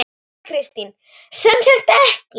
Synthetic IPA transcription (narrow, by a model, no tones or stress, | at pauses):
kʰɾɪst̪in | sɛmsɛxt̪ɛhci